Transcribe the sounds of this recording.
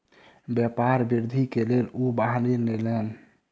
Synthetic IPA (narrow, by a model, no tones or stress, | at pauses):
bjɛpaɾbiɾd̪ʱikelelubaɦninelɛn